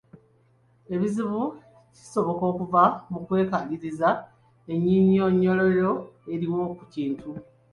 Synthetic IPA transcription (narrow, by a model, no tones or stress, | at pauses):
e̞βiziβu | ci̥so̞βo̞ko̞ːkuvamukwe̞ːkaliɾiza | e̞ɲːiɲijo̞ːɲːo̞lojo̞e̞ɾiwo̞kuciːntʰu